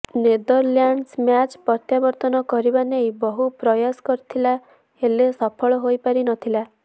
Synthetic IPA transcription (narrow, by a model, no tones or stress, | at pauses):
ned̪ɔɾljaɳɖsmjat͡ʃpɔt̪jabɔɾt̪ɔnɔkɔɾibanejbɔɦupɾɔjaskɔɾit̪ʰila | elesɔpʰɔɭɔɦojpaɾinɔt̪ʰila